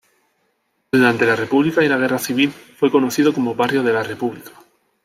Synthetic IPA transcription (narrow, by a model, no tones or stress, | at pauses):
d̪uɾant̪e̞lare̞puβlikailaɣ̞e̞raθiβ̞ilfwe̞ko̞noθiðoko̞moβarjoðe̞lare̞puβlikḁ